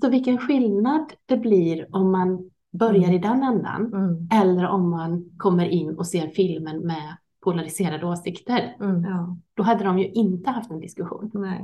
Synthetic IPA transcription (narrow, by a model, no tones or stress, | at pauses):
sɔvɪlkənɧɪlnad̪d̪̥ɛbliɾɔmːan | bœɾjaɾɪd̪ɛnːɛnd̪a̰nɛlːəɾɔmːankʰɔmːəɾʔɪnːɔseːɾfɪlmənmɛ | pʰʊlaɾɪseːɾad̪əoːsɪkt̪əɾ | d̪̥ɔɦad̪ːəd̪ɔmjɵʔɪnt̪əhaft̪ɛnd̪ɪskɵɧṵːn